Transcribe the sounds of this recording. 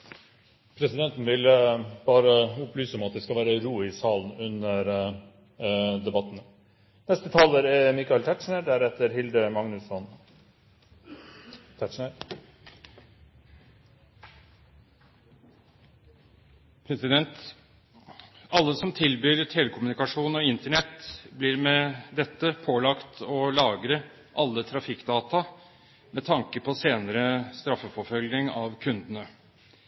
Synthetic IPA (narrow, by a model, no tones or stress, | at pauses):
pʰɾɛsɪd̪ɛnt̪n̩ʋɪlb̥ɑːɾəʊplyːsəmɛɑt̪d̪ɛskɑʋæːɾəɾuːɪsɑːln̩ʉnəɾ | d̪ɛbɑt̪ːnə | nɛst̪ət̪ʰɑːləɾɛmɪkɑɪlt̪ʰæʈʂɳəɖæɾɛt̪ːəɾhɪld̪əmɑŋnʉsɔn | t̪ʰæʈʂɳəɾ | pʰɾɛsɪd̪ɛnt̪ | ɑlːəsɔmt̪ʰɪlbyːɾt̪ʰeːlɛkʰʊmʉnɪkɑʂuːnɔɪnt̪əɳɛt̪ːbliːɾmɛd̪ɛt̪ːəpʰoːlɑkt̪ʰɔlɑːɡɾə | ʔɑlːət̪ʰɾɑfɪkːd̪ɑːt̪ɑ | mɛt̪ʰɑŋkəpʰɔseːnəɾəst̪ɾɑfːəfɔɾfœlɡnɪŋɑʋkʰʉnd̪ənə